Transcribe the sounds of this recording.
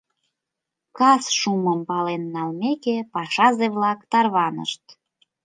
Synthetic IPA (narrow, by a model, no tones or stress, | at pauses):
kɑsʃuməmpɑlenːɑlmekepɑʃɑzeβlɑkt̪ɑrβɑnə̰ʃt̪